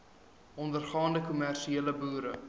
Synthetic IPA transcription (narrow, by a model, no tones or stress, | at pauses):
ɔndərχɑːndəkumærʃieːləbuːɾə